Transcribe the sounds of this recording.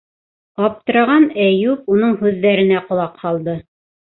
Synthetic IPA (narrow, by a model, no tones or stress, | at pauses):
ɑp̚t̪ɤ̆ɾɑʁɑnæjup̚unɤɴɦʉðːæɾɘ̆næqŏlˠɑqhɑlˠd̪ɤ